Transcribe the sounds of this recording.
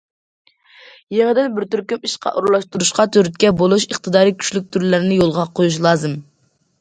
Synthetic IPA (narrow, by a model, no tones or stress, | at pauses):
jeŋɨd̪ɪnbɪɾt̪yɾkʲymiʃqʰɑ̰ʔuɾlˠɑʃt̪uɾuʃqɑt̪ʰøɾt̪kʲɛbolˠuʃəχt̪ʰɨd̪ɑːɾikʲʰy̥ʃlyk̚ʲt̪ʰyɾlɪɾɪnɪjolˠʁɑqʰojuʃ̬lˠɑːzɨm